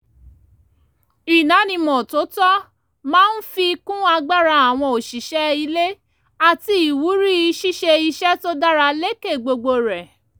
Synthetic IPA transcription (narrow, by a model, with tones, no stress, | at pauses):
i˨nã˨˦nĩ˧˨mɔ̃˨to˨˦tɔ˦ | mãː˦n̩˦fi˧i˧kũ˦a˧ɡ͡ba˦ɾa˧a˨w̃ɔ̃˧o˨ʃi˨ʃɛ˦i˧le˦ | a˨ti˧i˨wu˨˦ɾi˦i˧ʃi˦ʃe˧i˧ʃɛ˦to˦da˦ɾa˧le˦ke˦˨ɡ͡bo˧ɡ͡bo˧ɾɛ˨